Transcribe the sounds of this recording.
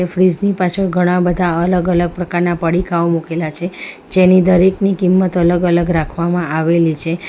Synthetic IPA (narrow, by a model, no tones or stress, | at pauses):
efɾid͡ʒnipat͡ʃʰəɡʱəɽ̃ãbəd̪ʱaələɡələɡ̚pɾəkaɾnapəɽikʰaomukelat͡ʃʰe | d͡ʒenid̪əɾeknikimːət̪ələɡələɡɾakʰʋamãaʋelit͡ʃʰe